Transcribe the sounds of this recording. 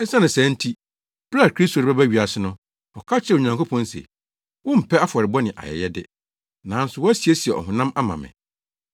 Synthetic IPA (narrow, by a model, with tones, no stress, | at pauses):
ɛ˦sã˦nʊ̃˨sɛ̃˨˦n̩˦tʰi˦ | b̥la˦˨kʰɾi˦sto˨ɾa˦bæ˦ɥi˨a˨sɪ˦nʊ̃˦ | ɔ˨kʰa˦t͡ɕʰɛ˦˨o˨ɲã˨ŋko˦pʰɔ̃˦n˦sḛ˨ | wʊ̃˦m̩˨pʰɛ˦a˦fɔ˨ɾɪ˨bɔ˦nɪ̃˨ʔa̰˨jɛ̰˨jɛ˦dɪ̰˦ | nã˨˦n̩˦sʊ˨wɔ˦æ˦si˨e˦si˨ɛ˨ɔ̰˨ɦʊ̃˨nã˦ma˦mã̰˨mɪ̰̃˨